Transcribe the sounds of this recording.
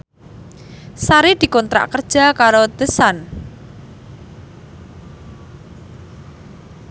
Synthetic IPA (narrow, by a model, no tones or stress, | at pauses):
saɾed̪̥i̤kɔnt̪ɾa̰ʔkərd̥d͡ʒʒ̥a̤kaɾod̪̥əsan